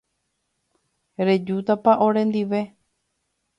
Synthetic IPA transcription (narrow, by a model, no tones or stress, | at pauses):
ɾe̞d͡ʒut̪apaʔõɾẽ̞nd̪iʋe̞